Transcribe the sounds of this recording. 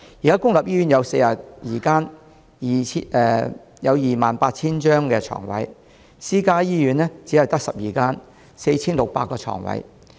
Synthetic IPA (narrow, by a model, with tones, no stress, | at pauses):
jiː˨kaː˥kʊ˥ŋlɐ˨p̚jiː˥yː˨˥njɐ˨˧wse˧jaː˨˩tjiː˨˩kaː˥n | jʰɛ˨˧ | jɐ˨˧wjiː˨˩maː˨npaː˧t̚t͡ʃʰiː˥nt͡ʃœː˥ŋkɛː˧t͡ʃʰɔ̰ː˨˩ŋwɐ̰˨˥j | siː˥kaː˥jiː˥jyː˨˥nlɛː˥t͡siː˨˥hɐ˨wt̪ɐ˥k̚sɐ˨p̚jiː˨kaː˥n | se˧jt͡sʰiː˥nlʊ˨k̚pa̰ː˧t̚kːɔː˧t͡ʃʰɔ̰ː˨˩ŋwɐ̰˨˥j